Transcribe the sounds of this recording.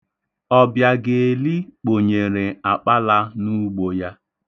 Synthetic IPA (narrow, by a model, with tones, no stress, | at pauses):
ɔ˦bja˨ɡe˨e˨li˦k͡po˨ɲe˨ɾe˨a˨k͡pa˦la˦nu˦ɡ͡bo˨ja˦